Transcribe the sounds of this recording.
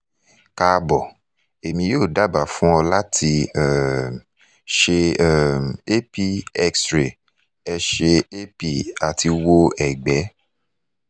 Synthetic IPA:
ka˧bɔ˨ | e˨mĩ˧joː˦˨da˨˦ba˨fũ˦ɔ˧la˦tʰi˧ɛ˦˨m | ʃe˧ɛ˦˨m˨e˦pi˦ɛ˦ksɾe˨ | ɛ˧ʃe˧e˦pi˦˨a˨ti˧wo˦ɛ˨ɡ͡bɛ˨˦

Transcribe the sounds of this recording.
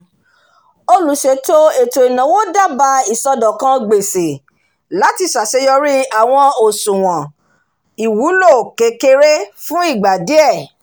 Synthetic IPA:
o˧lu˨˦ʃe˧to˦e˨to˨i˨nã˨wo˦da˦˨ba˧i˨sɔ˧dɔ˨kã˧˦ɡ͡be˨se˨ | la˨˦ti˧sa˨se˨˦jɔ˧ɾi˦a˦˨w̃ɔ̃˧o˨sũ˨w̃ɔ̃˨ | i˨wu˨˦lo˦˨ke˨˧ke˧ɾe˦fũ˦i˦˨ɡ͡ba˨di˨˦ɛ˦˨

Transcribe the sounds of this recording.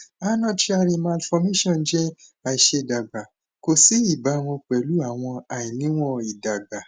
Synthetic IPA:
a˦nɔ̃˦˨ti˦a˧ɾi˧mã˧lfɔ˧me˦ʃɔ̃˦˨n˨˦d͡ʒɛ˦a˨i˨ʃe˧˨da˨ɡ͡ba˨ | ko˨si˨˦i˦˨ba˨˦w̃ɔ̃˧k͡pɛ˨lu˨˦a˦˨w̃ɔ̃˧a˨jĩ˨nĩ˨˦w̃ɔ̃˦i˨da˨ɡ͡ba˨

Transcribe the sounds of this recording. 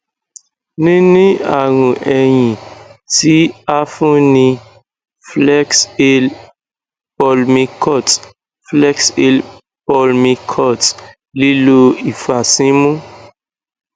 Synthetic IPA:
nĩ˦nĩ˦a˨ɾ̃ũ˨ʔɛ˨jĩ˨ti˦a˦fũ˦nĩ˧ | flɛ˦kse˦l | pɔ˨lmĩ˧kʰɔ˦˨t | flɛ˦ksie˧l | pɔ˧lmĩ˧kʰɔ˦˨t | li˦lo˧i˨fa˨sĩ˦mũ˦

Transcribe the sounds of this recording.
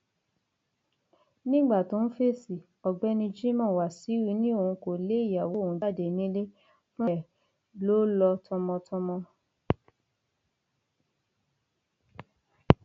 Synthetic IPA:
nĩ˦ɡ͡ba˦˨tõ˨˦n̩˦fe˦˨si˨ | ɔ˨ɡ͡bɛ˦nĩ˧d͡ʒi˦mɔ̃˦˨wa˨si˨˦wi˧˦nĩ˦o˦˨ũ˧ko˨le˨˦i˦˨ja˨wo˨˦˨ũ˨˧˦da˦˨de˨nĩ˦le˦ | fũ˦ɛ˦˨ | lo˨˦lɔ˧tʰɔ̃˧mɔ̃˧tʰɔ̃˧mɔ̃˧

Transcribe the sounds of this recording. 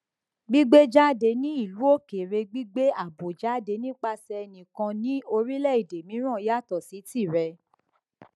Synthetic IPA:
ɡ͡bi˦ɡ͡be˦d͡ʒa˦˨de˧nĩ˦i˦˨lu˨˦o˦˨ke˨ɾe˧ɡ͡bi˦ɡ͡be˦a˦˨bo˨d͡ʒa˦˨de˧nĩ˦k͡pa˧sɛ˧ɛ˧nĩ˨kã˧nĩ˦o˧ɾi˦lɛ˦˨i˨de˨mĩ˨˦ɾ̃ã˦˨˦ja˦˨tɔ˨si˨˦ti˦˨ɾɛ˧

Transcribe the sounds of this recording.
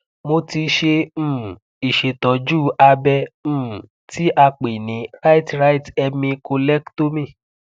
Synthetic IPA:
mo˧ti˧ʃẽ˧˨ | i˨ʃe˨tɔ˨d͡ʒuː˦˨a˧bɛ̃˧˦˨ | ti˦ʔa˧k͡pe˨nĩ˨˦ɾa˦i˦tɾa˦i˦tɛ˧mĩ˧ko˧lɛ˦kto˦mĩ˦˨

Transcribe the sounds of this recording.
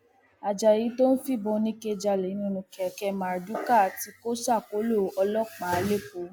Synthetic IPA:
a˨d͡ʒa˨ji˨˦to˦n̩˦fi˦˨bo˧˦nĩ˦ke˧d͡ʒa˧lɛ˨˦nũ˦˨nũ˧kɛ˨kɛ˧ma˨ɾdu˨˦ka˦˨ti˧˦ko˦sa˦˨ko˨˦lo˦˨ɔ˧lɔ˦k͡pa˨˦˨le˦k͡po˨˦

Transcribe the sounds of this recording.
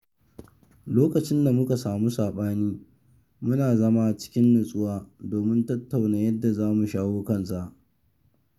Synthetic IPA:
loː˦kɐ˨t͡ʃɪ˦nda˨mʊ˦ka˨saː˨mu˦saː˨ɓaː˦niː˦ | mʊ˦naː˨zɐ˦ma˦t͡ʃɪ̥˦kʲɪ˦nːʊ˨sʼʊ˦waː˦doː˨mɪ˦ntɐ˦tːa˨wnaː˨jɐ˦dːa˨zaː˦mu˨ʃaː˦woː˦kɐ˦ns̬a˨ʔ

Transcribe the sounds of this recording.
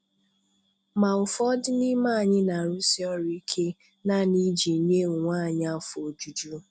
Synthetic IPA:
ma˨ʊ˨fɔ˦dɪ˦ni˦ma˦a˨ɲɪ˦na˨ɾu˦si˦ɔ˦ɾi˦i˦kʰe˦ | na˦ni˦d͡ʒi˨ɲe˦˨ŋʷaː˦˨ɲa˦˨˦fo˨d͡ʒu˦d͡ʒu˦

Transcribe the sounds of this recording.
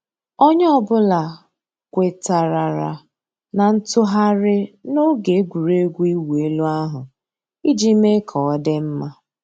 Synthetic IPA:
o˦ɲ˦ɔ˦bʊ˦la˨ | kʷe˨ta˨ɾa˨ɾa̰˨ | na˨n̩˦tʊ˦ɦa˦ɾɪ˦no˦ɡe˨˦ɡʷu˨ɾe˦ɡʷu˦i˦we˦lu˦a˦ɦʊ˨ | i˦d͡ʒi˦me˦kʰɔ˨ɔ˦de˦m̩˦ma˦

